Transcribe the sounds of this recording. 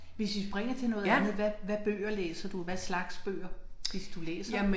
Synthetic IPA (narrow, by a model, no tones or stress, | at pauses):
ʋe̝sʋisb̥ʁɛŋ̰ɐt͡sʰe̝nɔ̽ːð̩ˠænð̞̩ˠʋæʋæb̥ø̰ːɐlḛːsɐd̥uʋæslɑ̈ɡ̥sb̥ø̰ːɐʋe̝sd̥ulḛːsɐ